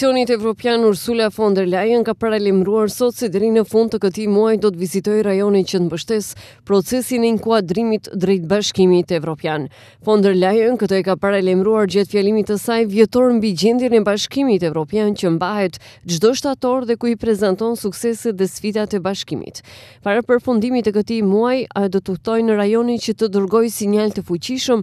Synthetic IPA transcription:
ɔnit̪ɛvɾɔpjanuɾsulafɔnd̪ɛɾlajənkapaɾalɛmɾuaɾsɔt̪sɛd̪ɛɾinəfund̪̚t̪əkət̪imuajd̪ɔt̪əvizit̪ɔjɾajɔnit͡ɕət̪mbəʃt̪ɛs | pɾɔt͡sɛsinɛiŋkuad̪ɾimit̪d̪ɾɛjt̪̚baʃkimit̪ɛvɾɔpjan | fɔnd̪ɛɾlajənkət̪ɔɛkapaɾaɛlɛmɾuaɾd͡ʑat̪fjɛlimit̪əsajvjɛt̪ɔɾmbid͡ʑɛnd̪jɛnɛbaʃkimit̪ɛvɾɔpjant͡ɕəmbaɦɛt̪d͡ʒd̪ɔʃt̪at̪ɔɾðɛkuipɾɛzant̪ɔnsuksɛsɛt̪ðɛsfid̪at̪ɛbaʃkimḭt̪paɾapəɾfund̪imit̪ɛkət̪imuajad̪ɔt̪əht̪ɔjnəɾajɔnit͡ɕət̪əd̪əɾɡɔjsiɲalt̪əfut͡ɕiʃəm

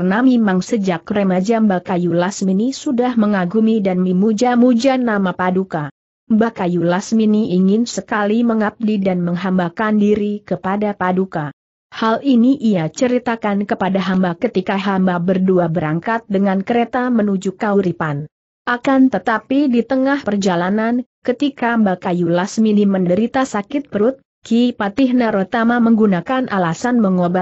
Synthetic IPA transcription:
rnamemaŋsəd͡ʒak̚remad͡ʒambakajulasminisudahməŋaɡumidanmimud͡ʒamud͡ʒanamapaduka | mbakajulasminiʔiŋɪnsəkaliməŋap̚didanməŋɦambakandiɾikəpadapaduka | haliniʔiat͡ʃəɾit̪akankəpadaɦambakət̪ikaɦambabərduabəɾaŋkat̪̚dəŋankəɾet̪amənud͡ʒukauɾipan | ʔakant̪ət̪apidit̪əŋahpərd͡ʒalanankət̪ikambakajulasminiməndəɾit̪asakɪt̪̚pəɾʊt̪̚ | kipat̪iɦnaɾot̪amaməŋɡunakanʔalasanməŋoba

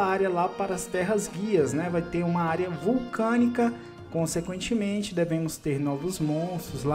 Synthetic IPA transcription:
aɾjɐlapaɾɐːst̪ɛɦɐzɡiɐznɛvajt̪eɾũmɐaɾjɐvuwkɐ̃nikɐ | kõsekwẽnt͡ʃɪmẽnt͡ʃɪd̪ɛvẽmʊst̪eɾnɔvʊzmõst̪ɾʊzla

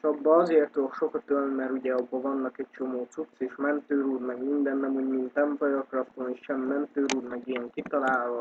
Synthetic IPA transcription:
ʃɒbːɒɒzeːrt̪olkʃo̞kɒt̪ølnmɛɾuɟɛɒbːɒvɒnːɒkɛc̚t͡ʃo̞moːt̪sut̪seːʃmɛnt̪øːɾuːd̪mɛɡmind̪ɛnːɛmuɟmint̪ɛmpɒjɒkrɒft̪oniʃʃɛmːɛnt̪øːɾuːd̪mɛɡiɛŋkit̪ɒlaːlɦɒ

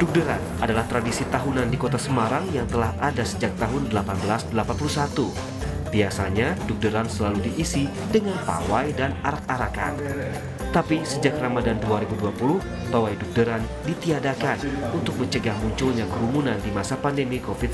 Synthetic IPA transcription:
d̥uk̚dəɾa̰n | adalaht̪ɾadisit̪aɦunandikot̪asəmaɾaŋjaŋt̪əlahʔadasəd͡ʒak̚t̪aɦʊndəlapanbəlasdəlapanpulusat̪u | b̥iasaɲaduk̚dəɾansəlaludiʔːsi | dəŋanpa̰wajdanaɾak̚aɾaka̰n | t̪apisəd͡ʒakramadanduaɾibuduapulʊh | t̪owajduk̚dəɾan | dit̪iadakanunt̪ʊk̚məɲt͡ʃəɡahmuɲt͡ʃulɲakəumunandimasapandemikofit̪̚

